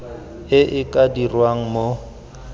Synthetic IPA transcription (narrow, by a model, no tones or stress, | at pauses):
ɪʔɪkʼadirwaŋ̩mo